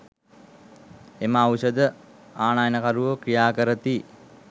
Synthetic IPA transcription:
eməawʃəd̪ə | aːnajənəkaɾuʋəkɾijaːkəɾət̪i

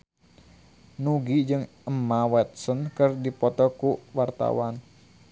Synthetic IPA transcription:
nuɡid͡ʒɨŋʔəmawɛt̪̚sənkɨrdipɔt̪ɔkuwart̪a̰wan

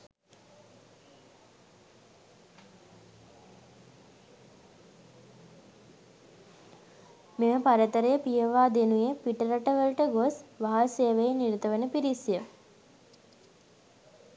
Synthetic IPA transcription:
meməpaɾət̪əɾəjəpijəʋaːd̪enujepiʈəɾəʈəʋəlʈəɡosʋaɦaseːʋejeniɾit̪əʋenəpiɾisjə

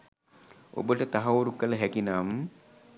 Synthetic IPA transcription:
o̰bəʈət̪aɦaoɾukːələɦækinaːmə

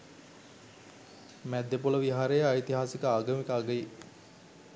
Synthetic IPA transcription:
mæd̪ːepoləʋiɦaɾejəajt̪iɦaːsikəaːɡəmikaːɡəi

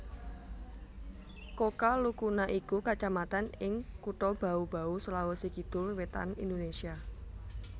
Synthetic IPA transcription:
kokalukunaʔikukat͡ʃamat̪anɪŋkuʈɔb̥a̤ub̥a̤usəlawɔsikid̪̥ʊrwet̪a̰nḭnd̪onesia

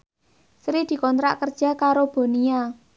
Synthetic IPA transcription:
sɾid̪̥i̤kɔnt̪ɾa̰ʔkərd̥ʒ̥a̤kaɾob̥o̤nia

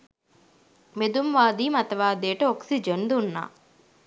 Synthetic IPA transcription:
med̪umʋaːd̪iːmɐt̪ɐʋaːd̪eːʈəoksid͡ʒənd̪unːa̰ː

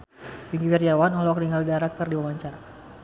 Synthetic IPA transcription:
piŋɡifɛrijawanɔlɔkniŋaldaɾak̚t̪ərdiwamaɲt͡ʃaɾ

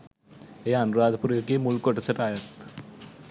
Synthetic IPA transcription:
eːɐnuɾaːd̪ʱpuɾeɾkeːmulkoʈɐsɐʈaːjɐt̪

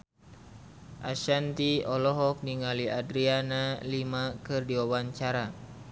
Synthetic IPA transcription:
ʔaʃant̪iɔlɔɦɔk̚niŋaliʔadɾianalimakɨrdiwawaɲt͡ʃaɾa

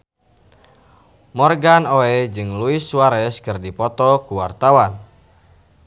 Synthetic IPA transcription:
mɔrɡanoɛd͡ʒɨŋluɪswaɾɛskɨrdipɔt̪ɔkuwart̪awan

